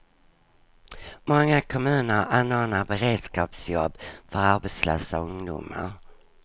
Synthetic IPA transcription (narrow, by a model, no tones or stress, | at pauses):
mɔŋːakʰɔmʉ̟ːnəɾanːoːnaɾbɛɾeːd̪skɑːpsjɔbːfœɾaɾbɛːt̪slø̰ːsaɵŋd̪ʊ̰mə̰ɾ